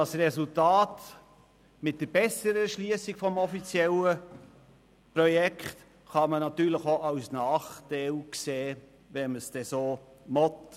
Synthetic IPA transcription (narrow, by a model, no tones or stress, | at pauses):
dɑsrɛsultɑːt | mɪt̚d̥əɾbɛsəɾəɛʃliəsɪɡ̥fɔmɔfit͡sjɛlə | prɔjɛkχt | χɑmənɑtyːɾləxoʔɑwsnɑːχtaɪlkseː | vɛməsd̥ɛsoːmɔt